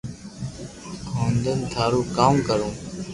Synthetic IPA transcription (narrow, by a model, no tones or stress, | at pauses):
ɦõːnd̪ənt̪ʰaːɾuːkaːmkəɾũː